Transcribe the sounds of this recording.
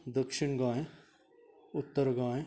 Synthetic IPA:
d̪əkʃɪɳɡãːe | ʊt̪ːəɾɡãːe

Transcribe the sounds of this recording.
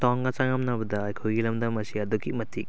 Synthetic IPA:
tɔŋɡɐt͡ʃaŋɐmnɐbɐdɐːjkʰojɡilɐmdɐmɐsiɐduɡimɐtik̚

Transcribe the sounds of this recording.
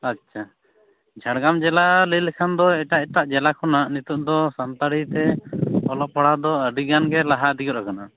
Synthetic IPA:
atːt͡ʃʰa | d͡ʒʱaɽɡamd͡ʒɛlalilɛkʰand̪ɔɛʈaʔɛʈ̪aʔd͡ʒɛlakʰɔnaʔnit̪uʔ̚d̪ɔsant̪aɽit̪ɛɔlɔp̚pʰɔɽad̪ɔəɖiɡanɡɛlaɦad̪iɡɔt̪̚ɾakana

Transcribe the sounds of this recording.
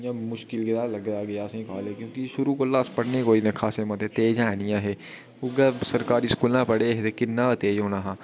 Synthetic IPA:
jãmʊʃkɪlɡɪd̪aːləɡd̪aːɡɐjaːsẽkaːlekjõːkiʃʊɾukoːlaːspəɽnekoːinekʰaːsemət̪et̪eːd͡ʒaːnijãɦɛː | ʊɡəsəɾkaːɾiskuːlãːpəɽeɦet̪ekɪnːaːt̪eːd͡ʒɦoːnaːɦãː

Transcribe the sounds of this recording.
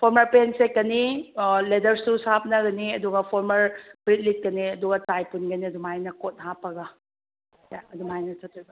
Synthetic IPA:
pʰoɾmɐɾpensekːɐniledɐɾsusap̚nɐɡɐniɐduɡɐpʰoɾmɐɾb̥ɾit̚lit̚kɐniɐduɡɐtajpunɡɐniɐdumajnɐkot̚ɦapːɐɡɐ | jaɐdumajnɐtʰɐtːibɐ

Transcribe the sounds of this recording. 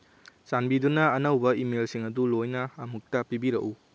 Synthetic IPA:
sanbidunɐːnɐwbɐimelsiŋɐdulojnɐːmuk̚tɐpibiɾɐ̰ʔu

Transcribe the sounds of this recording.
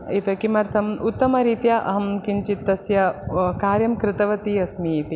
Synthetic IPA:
it̪ɐkimɐɾt̪ʰɐmut̪ːɐmɐɾiːt̪jɐʔɐ̰ɦɐmkint͡ʃit̪ːɐsjɐkaːɾjɐmkɾɪt̪ɐʋɐt̪iɐsmiːt̪i

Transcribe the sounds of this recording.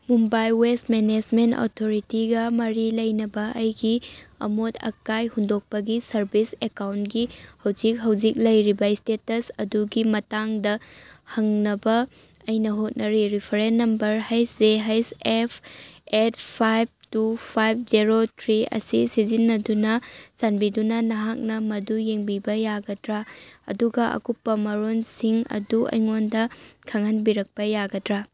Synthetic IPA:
mumbajwestmened͡ʒmento̰tʰoɾitiɡɐmɐɾilɐjnɐbɐʔɐjɡiɐ̰motʰɐ̰kajhundok̚pɐɡisɐɾbisekawntɡihɐwd͡ʒik̚ɦɐwd͡ʒik̚lɐjɾibɐistetɐsɐduɡimɐtaŋdɐhɐŋnɐbɐː | jnɐɦot̚nɐɾiɾipʰɐɾenːɐmbɐɾhɐjszeɦɐjsepʰet̚pʰajb̚tupʰajb̚ʰziɾotʰɾiɐ̰sisizinːɐdunɐsanbidunɐnɐɦak̚nɐmɐdujeŋbibɐjaɡɐdɾaɐ̰duɡɐʔɐ̰kupːɐmɐɾonsiŋɐ̰duʔɐ̰jŋondɐkʰɐŋɦɐnbiɾɐk̚pɐjaɡɐdɾa

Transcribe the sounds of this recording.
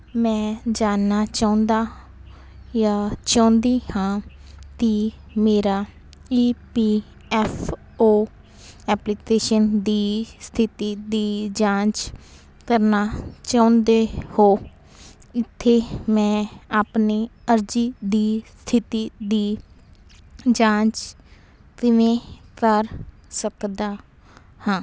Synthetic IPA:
mɛ̃ːd͡ʒaːnaːt͡ʃaːʊ̃nd̪aː | jaːt͡ʃãːnd̪iːhãːk̪iː | meːɾaː | iːpiː | ɛːfʰ | oː | ɛːplɪkeːʃənd̪iːst̪ʰɪt̪iːd̪iːd͡ʒãːt͡ʃ | kəɾnaːt͡ʃaːʊnd̪eːhoː | ɪt̪ʰːeːmɛ̃ːaːpniːəɾd͡ʒiːd̪iːst̪ʰɪt̪iːd̪iː | d͡ʒãːt͡ʃ | k̪ɪʋẽːkəɾ | səkd̪aː | hãː

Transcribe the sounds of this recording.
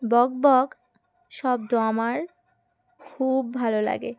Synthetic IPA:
bɔɡ̚bɔɡ | ʃɔb̚dɔmaɾ | kʰubːʱalola̰ɡe

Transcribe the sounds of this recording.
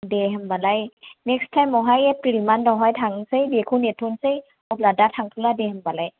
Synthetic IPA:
deɦambalajnɛk̚stʰajmɔɦajɛklimandɔɦɔjtʰaŋsɯjdekʰunetʰːunsɯj | ɔp̚ladatʰaŋtʰuladehambalaj

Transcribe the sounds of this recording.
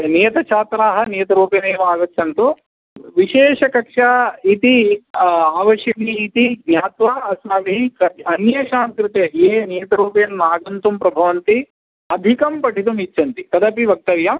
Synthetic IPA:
nijɐt̪ɐt͡ʃʰaːt̪ɾaːɦɐnijɐt̪ɐɾuːpɐneːʋaːɡɐt͡ʃʰːɐnt̪u | ʋiʃeːʂɐkɐkʂait̪i | aːʋɐʃjɐkiːt̪iɡɲʲaːt̪ʋaːɐsnaʋiɦikɐɐnjɐʃaːmkɾɪt̪ejeːnijɐt̪ɐɾuːpjɐnːaːɡɐnt̪umpɾɐbʱɐʋɐnt̪i | ɐd̪ʱikɐmpɐʈʰit̪umit͡ʃːʃʰɐnt̪it̪ɐd̪ɐpiʋɐk̚t̪ɐʋjɐm

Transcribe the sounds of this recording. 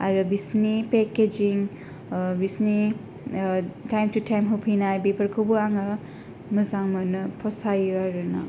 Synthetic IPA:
aɾɯbisnipeked͡ʒiŋ | bisni | tajmtutajmɦowpʰinajbipʰɐɾkʰɯbuaŋɐ | mɐzaŋmɐnɯpʰɔsajaɾɯna̰

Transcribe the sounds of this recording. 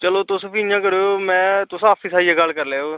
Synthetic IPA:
t͡ʃəloːt̪ʊsəpijãːkəɾeːoːmɛ̃ːt̪ʊsaːpʰiːsaːijãːɡəlkəɾleːoː

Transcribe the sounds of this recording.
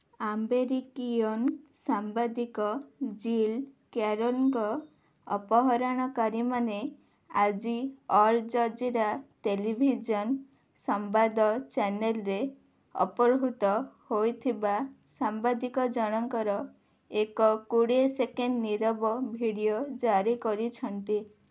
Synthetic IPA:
ambeɾikiɔnsambad̪ikɔd͡ʒilkaɾolkɔ | ɔ̰pɔɦɔɾaɽ̃ɔkaɾimane | ad͡ʒiɔɾd͡ʒɔd͡ʒiɾaʈelibʱid͡ʒɔn | sɔmbad̪ɔt͡ʃɛnelɾe | ɔ̰pɔɾɦut̪ɔhojt̪ʰiba | sambad̪ikɔd͡ʒɔɽ̃ɔŋkɔɾɔ | ekɔkuɽesekenɖniɾɔbɔbʱiɽijod͡ʒaɾikɔɾit͡ʃʰɔnt̪i

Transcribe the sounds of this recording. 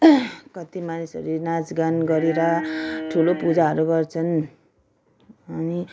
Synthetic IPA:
kʌt̪imanisʌ̰ɾunad͡zɡanɡʌɾeɾʌʈʰulopud͡zaɦʌɾuɡʌrt͡sʰʌn | ʌni

